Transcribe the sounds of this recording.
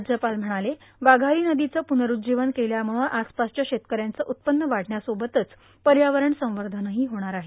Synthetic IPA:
d͡ʑəpalm̤əɽ̃ale | ʋaɡʱaɾiːnəd̪it͡səpunəɾud͡ʑiʋənkeljam̤uɭuɳʔaspast͡ɕjaɕet̪kəɾjant͡səʔut̪̚pənːəʋaɽ̤ʱɳjasobət̪ət͡s | pəɾjaʋəɾəɳsə̃w̃ʋəɾd̪ʱənəɦiːɦoɽ̃aɾaɦe

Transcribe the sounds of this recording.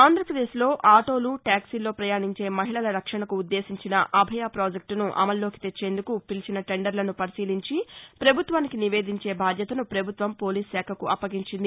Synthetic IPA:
aːnd̪ɾɐpɾɐd̪e̞ːslo̞ːʔaːʈo̞ːluʈaːksilo̞ːpɾɐjaːɳiɲt͡ʃe̞ːmɐɦiɭɐlɐɾɐkʂɐɳɐkuːd̪ːe̞ːsiɲt͡ʃinɐʔɐbʱɐjaːpɾaːd͡ʒek̚ʈnuʔɐ̰mɐlːo̞ːki̥t̪e̞t͡ʃːe̞ːnd̪ukupilt͡ʃinɐʈe̞ɳɖɐɾlɐnupɐɾisiːliɲt͡ʃipɾɐbʱut̪ʋaːnikiniʋeːd̪iɲt͡ʃe̞ːbʱaːd̪ʱjɐt̪ɐnupɾɐbʱut̪ʋɐmpo̞ːliːsːɛːkʰɐkuʔɐpːɐɡiɲt͡ʃind̪i

